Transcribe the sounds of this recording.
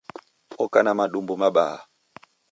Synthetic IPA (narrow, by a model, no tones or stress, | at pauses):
ɔkanamaɗumbumaɓa̰ːa̰